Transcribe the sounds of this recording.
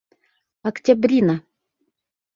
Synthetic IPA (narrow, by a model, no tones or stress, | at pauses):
ɐktʲabɾʲina